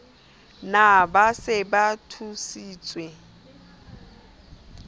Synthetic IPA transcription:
nabasɪbatʰusiːt͡sʼwe

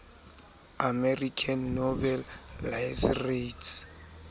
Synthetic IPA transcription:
amɛrikʰanːɔbɛlːasretʰ

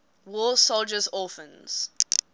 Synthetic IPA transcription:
wɔːsold͡ʒəzɔˑfə̃nz̥

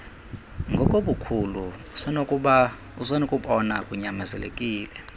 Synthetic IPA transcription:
ŋɡʱɔkʼoɓukʰuluusɛnokʼuɓa | usɛnokʼuɓɔnakʼuɲamɛzɛ̰lḛkʼiːlɛ

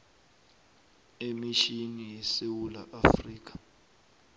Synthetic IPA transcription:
emiʃinijɛsewulaʔafriːk̬ḁ

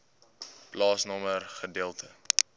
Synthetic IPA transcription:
plɑːsnɑmərχədeəlˠtə

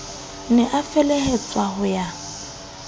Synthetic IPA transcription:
nɛʔafɛlehet͡sʼwahʊja

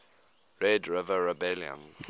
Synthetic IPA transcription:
ɹɛdɹɪvəɹɛbɛljə̰̃n

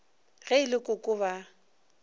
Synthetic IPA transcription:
ɣeɪlɪkʼʊkʼʊβa

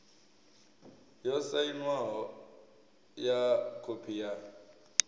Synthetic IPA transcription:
jɔsainwaɦɔ | jakʰopʰija

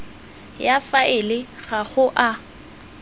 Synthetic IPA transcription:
jafaʔɪlɪɣχaɣʊʔa

